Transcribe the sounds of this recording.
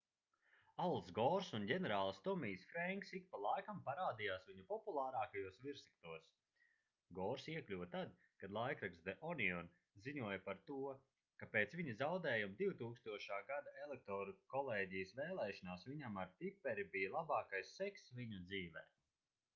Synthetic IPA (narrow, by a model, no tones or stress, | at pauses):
alˠsɡɔːɾsunɟʲɛnɛɾaːlˠst̪ɔmiːsfɾɛŋksik̚palˠajkampaɾaːd̪ijaːsviɲupɔpulˠaːɾaːkajuɔsviɾsi̥k̚t̪uɔs | ɡɔːɾsiɛklʲuvt̪ad̪ | kad̪lˠajkɾaɡsd̪ɛʔɔniɔn | ziɲuɔjpaɾt̪uɔ | kapeːt̪sviɲɐzawd̪ɛːjumd̪iwt̪uːkst̪uɔʃaːɡad̪aelˠek̚t̪ɔːɾukɔlˠeːɟijsvɛːlˠɛːʃanaːsviɲamaɾt̪ipːɛɾibijalˠabɑːkajsːɛksvʲiɲud̪ziːvɛ̰ː